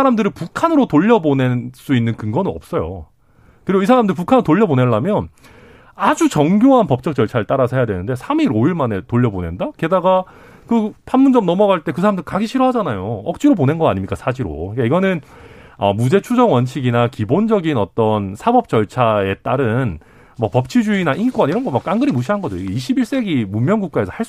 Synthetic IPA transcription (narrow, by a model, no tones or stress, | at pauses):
aɾamdɯɾɯɭpukʰanɯɾotoʎːʌbone̞s͈uinːɯnkɯŋɡʌnɯnʌp̚s͈ʌjo̰ | kɯɾiɡois̬ʰaɾamndɯɾipukʰanɯɾotoʎːʌboneɭːamjʌn | ad͡ʑut͡ɕʌŋɡjoɦanpʌp̚t͡ɕ͈ʌk̚t͡ɕ͈ʌɭt͡ɕʰaeɭt͈aɾasʰʌhejadwe̞nɯnde̞sʰamiɾoiɭmane̞toʎːʌbone̞ndake̞daɡa | kɯpʰanmund͡ʑʌmnʌmʌɡaaɭt͈e̞kɯs̬ʰaɾamndɯɭkaɡiɕʰiɾoɦad͡ʑanajoʌk̚t͡ɕ͈iɾobone̞nɡʌaɲimɲik͈asʰad͡ʑiɾo̰ik͈aiɡʌnɯnʌmud͡ʑe̞t͡ɕʰud͡ʑʌŋwʌnt͡ɕʰiɡinakibond͡ʑʌɡinʌt͈ʌnsʰabʌp̚t͡ɕʌɭt͡ɕʰae̞t͈aɾɯn | mʌpʌp̚t͡ɕʰid͡ʑuinaʔinkwʌniɾʌnɡʌmak͈aŋɡɯɾimuɕ̬ʰiɦanɡʌd͡ʑooiɡeiɕʰibiɭs͈e̞ɡimumjʌnɡuk̚k͈ae̞sʰʌhaɭs͈